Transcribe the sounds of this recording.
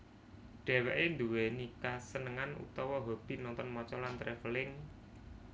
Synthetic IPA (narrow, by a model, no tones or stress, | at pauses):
ɖ̥ɛ̤wɛʔend̪uwɛnikasənəŋanṵt̪ɔwɔɦob̥i̤nɔnt̪ɔnmɔt͡ʃɔlant̪ɾɛfəlɪŋ